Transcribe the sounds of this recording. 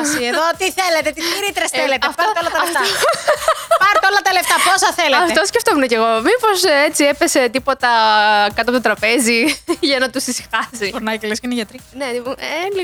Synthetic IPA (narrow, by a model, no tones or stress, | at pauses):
sieðot̪iθelet̪et̪iiɾit̪eɾeselet̪eɐfpɐɾt̪eolɐt̪ɐlet̪ɐ | pɐɾt̪eolɐt̪ɐleft̪ɐposɐθeleɐft̪osceft̪omuneceɣo̞mipo̞set͡siepese̞t̪ipo̞t̪ɐkɐt̪oɐpt̪ot̪ɾɐpe̞ziʝɐnɐt̪usisi̥xɐsifoɾnɐjcelescineʝɐt̪ɾineieli